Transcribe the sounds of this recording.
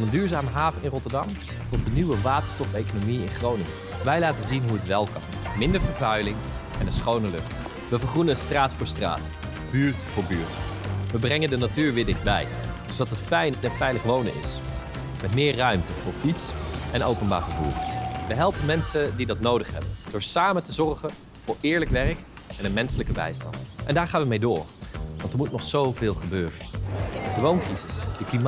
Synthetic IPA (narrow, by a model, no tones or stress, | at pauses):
nəndyːɹzaːməɦaːvəɪnrɔtəɹdɑm | tɔt̚dəniʋəʋaːtə̥ɹstɔfejkonomiɪnχrownɪŋə | ʋɛjlaːtəzinɦuətʋɛlˠkɑ̰n | mɪndəɹvəɹvœɥlɪŋɛnənsχownəlɵ̰χt | ʋəvəχrunənənstraːtfʊːɹstra̰ːt | b̥yːɹtfʊːɹbyːɹtʋəbrɛŋəndənatyːɹʋɪːɹdɪχd̚bɛ̰j | dsdɑtɦətfɛjnənfɛjləχʋownə̰nɪ̰s | mɛtmɪːɹrœɥmtəv̥ʊːɹfitsʔɛnowpənba̰ːɹχəvṵːɹʋəɦɛlˠpənmɛnsəndidɑtnowdəχɦɛbənd̥ʊːɹsaːməntəzɔrχən | v̥ʊːɹɪːɹləkʋɛrək | ɛnənmɛnsələkəbɛ̰jstɑ̰ntʔɛndaːɹχaːnʋəmejdʊːɹʋɑ̰ntəɹmutnɔχsowvɪːlˠχəbøːrəndəʋownkrizɪsd̥əklim